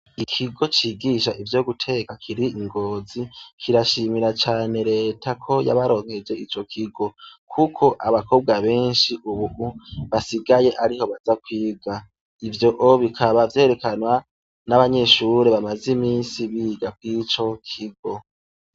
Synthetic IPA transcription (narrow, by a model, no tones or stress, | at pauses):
ikʰiɡo̞t͡ʃiːɡiːʃaʔivjo̞ɡutʰe̞ːkakʰiɾiiŋɡo̞ːzikʰiɾaʃimiɾat͡ʃaːne̞ɾe̞ːtʰakʰo̞ja̰βaɾo̞ːŋhe̞d͡ʒe̞it͡ʃo̞kʰiɡo̞kʰukʰo̞ʔaβako̞ːb̚ɡwaβe̞ːnʃiʔuβuhuβasiɡaje̞ʔaɾiho̞βazakwiːɡa | ivjo̞ʔoβikʰaβavje̞ːɾe̞kanwa | naβaɲe̞ʃuɾeβamazimiːnsiβiːɡak̚wit͡ʃo̞kʰiɡo̞